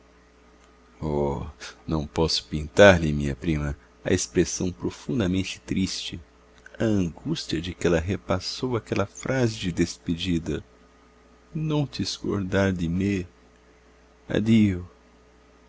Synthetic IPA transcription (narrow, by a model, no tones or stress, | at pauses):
ɔnɐ̃w̃pɔsʊ̥pĩnt̪aɾlɪmĩɲɐpɾĩmɐ | ɐ̰espɾesɐ̃w̃pɾofũd̪ɐmẽnt͡ʃɪ̥t̪ɾist͡ʃɪ | ɐɐ̃ŋɡust͡ʃiɐd͡ʒɪkɪɛlɐɦepasowakɛlɐfɾʔazɪd͡ʒɪd̪esped͡ʒid̪ɐ | nɐ̃w̃t͡ʃ̪sko̰ɾd̪aɾd̪ɪme | a̰d̪iʊ